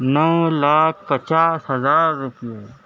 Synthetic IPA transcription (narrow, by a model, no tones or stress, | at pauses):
nəwlaːk̚ʰpət͡ʃaːshɦɐzaːɾːʊpijo